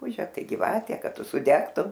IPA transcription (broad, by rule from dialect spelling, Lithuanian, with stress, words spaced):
ˈrʊpuːʒʲɛ ˈtɐɪ ɡʲɪˈʋɑːtʲɛ ˈkɐt ˈtʊ sʊˈdʲæːktʊm